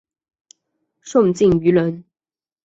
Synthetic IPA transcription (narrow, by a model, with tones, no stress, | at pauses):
ʂo˥˨ŋt͡ɕi˥˩ŋy˧˥lə˧˦˥n